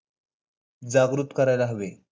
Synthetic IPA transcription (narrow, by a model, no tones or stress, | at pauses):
d͡zaɡɾut̪kəɾajlaɦəʋe